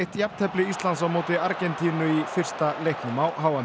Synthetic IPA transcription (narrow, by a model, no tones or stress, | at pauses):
ht̪jap̪t̪ʰɛplɪist̪lansawmoːwt̪ɪaɾcɛnt̪ʰiːnʏifɪr̥st̪alejhknʏmawɦaːwvan